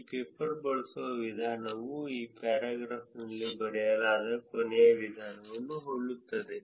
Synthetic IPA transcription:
peːpɐɾbɐɭɐsuʋɐʋid̪ʱaːnɐʋuiːpaːɾaːɡɾaːfnɐlːibɐɽijɐlaːd̪ɐkonejɐʋid̪ʱaːnɐʋɐnːuɦoɭːut̪ːɐd̪e

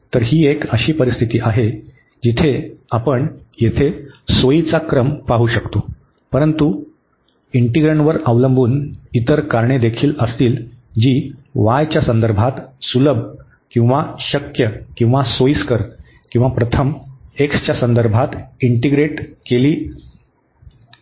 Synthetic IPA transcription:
t̪əɾɦiːekəɕiːpəɾist̪ʰit̪iːʔaɦe | d͡ʑit̪ʰeapəɳjet̪ʰesoit͡sakɾəmpaɦuːɕəkt̪o | pəɾənt̪u | iɳʈiɡɾəɳʋəɾəʋləmbʱuːnit̪əɾkaɾɳed̪ekʰiːləst̪iːld͡ʑiːʋajt͡ɕjasənd̪əɾbʱat̪suləb | kĩw̃ʋaɕəkjəkĩw̃ʋasoiskəɾ | kĩw̃ʋapɾət̪ʰəmekst͡ɕjasənd̪əɾbʱat̪iɳʈiɡɾeʈkeliː

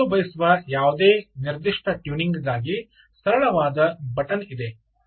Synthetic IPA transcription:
ubɐjisuʋɐjaːʋud̪eːniɾd̪iʂʈʰɐʈjuːniŋɡɡaːɡi | sɐɾɐɭɐʋaːd̪ɐbɐʈɐnid̪e

